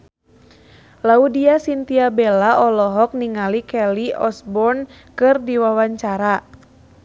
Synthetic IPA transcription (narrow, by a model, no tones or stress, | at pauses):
laudiasint̪iabɛlaɔlɔɦɔk̚niŋalikɛliɔsbɔrn | kɨrdiwawaɲt͡ʃaɾa